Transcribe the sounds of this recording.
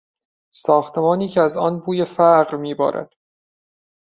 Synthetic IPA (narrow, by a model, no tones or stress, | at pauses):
sɒːxt̪ʰe̞mɒːniːcʰeæzɒːnbuːjefæɢɾmiːbɒ̰ːɾʔæ̰d̪̥